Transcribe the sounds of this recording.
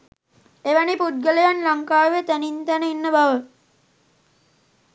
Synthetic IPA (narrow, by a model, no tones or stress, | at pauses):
eʋænipud̪̚ɡələjanlaŋkaːʋet̪ænint̪ænəinːəbaʋə